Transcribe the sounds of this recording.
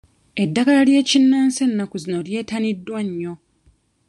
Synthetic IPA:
e̞dːaɡalalje̞ːcinːaːnse̞nːakuzino̞lje̞ːtanidːwaɲːo̞

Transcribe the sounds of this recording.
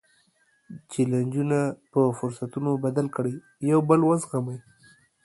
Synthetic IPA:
t͡ʃeland͡ʒunapəfʊɾsat̪unobad̪alkəɽəj | jawbəlwazɣamaj

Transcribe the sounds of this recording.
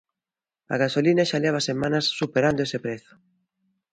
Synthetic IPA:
a̰ɣasolinaʃaleβ̞asemanɐsːupeɾand̪oesepɾeθʊ̥

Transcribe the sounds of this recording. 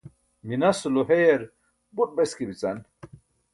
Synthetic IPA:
minɐsuluɦejeɾ | but̚beskibit͡sɐn

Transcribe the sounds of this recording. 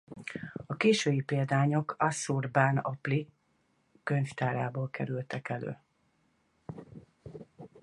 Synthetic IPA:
ɒkeːʃøːjipeːld̪aːɲo̞kʰɒsurbaːnɒ̰pli | køɲft̪aːɾaːboːlkʰɛɾylt̪ɛkɛlø̰ː

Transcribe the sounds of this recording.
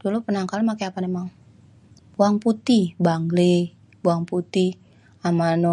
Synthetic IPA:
d̥ulupənaŋkalumakeapanemaŋ | buaŋput̪ibaŋɡle | buaŋput̪ih | amanɔ

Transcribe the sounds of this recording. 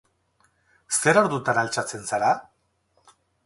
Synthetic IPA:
se̞ɾoɾðut̪analt͡ʃat͡se̞nsaɾa

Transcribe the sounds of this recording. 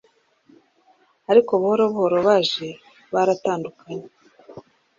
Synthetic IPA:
aɾikoβuhoɾoβuhoɾoβaːʒe̞ | βaɾataːndukaɲe

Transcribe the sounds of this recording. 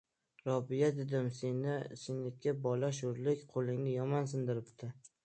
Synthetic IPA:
ɾɒbijad̪ed̪ɪmsenɪsɪnet̪̚kʲabɒlaʃ̬ʊɾlɪkʲqʰolˠɪŋnɪjɒmɒnsɪnd̪ɪɾɪpt̪ʰɪ

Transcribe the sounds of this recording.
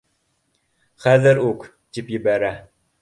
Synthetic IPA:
χæðɘɾuk | t̪ipjɘ̆bæɾæ

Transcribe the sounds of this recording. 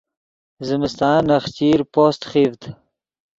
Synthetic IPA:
zɪmɪst̪ɑːnɐxt͡ɕiːɾpoːst̪χivt̪

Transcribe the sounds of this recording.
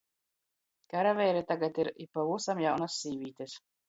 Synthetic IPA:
kaɾavʲɛjɾɛt̪aɡat̪iɾipavusamjawnasʲːiːvʲiːt̪ʲes

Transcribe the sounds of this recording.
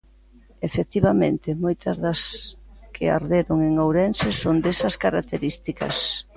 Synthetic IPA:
efek̚t̪iβamẽnt̪ɪmojt̪ɐzðɐskʰɪ̰a̰ɾðeɾoŋeŋawɾɛnsɪsond̪esɐskaɾak̚t̪eɾist̪ikɐ̰s

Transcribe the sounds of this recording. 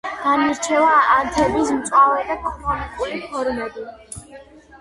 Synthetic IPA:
d̪̥amiɾt͡ʃʰɛvaːnt̪ʰɛbismt̪sʼavɛd̪at̪ʰamanɛkʼuɾipʰɔɾmɛbi

